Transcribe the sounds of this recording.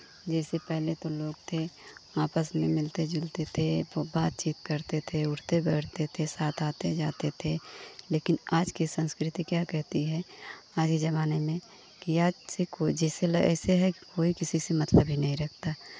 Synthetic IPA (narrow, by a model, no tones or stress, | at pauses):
d͡ʒɛːsepɛɦlet̪oloːɡt̪ʰeaːpəsmẽmɪlt̪ed͡ʒʊlt̪et̪ʰebaːt̪̚t͡ʃiːt̪̚kɐɾt̪et̪ʰeʊʈt̪ebɛːʈt̪et̪ʰesaːt̪ʰaːt̪ed͡ʒaːt̪et̪ʰeleːkɪnaːd͡ʒkisə̃nskɾɪt̪ikjaːkɛɦt̪iɦɛaːd͡ʒkid͡ʒɐβaːnemẽ | kiaːd͡ʒsekod͡ʒɛːselɛ̰ːseɦɛkikoːikɪsisemɐt̪ləbʱɦinɐɦĩɾɐk̚ʰt̪aː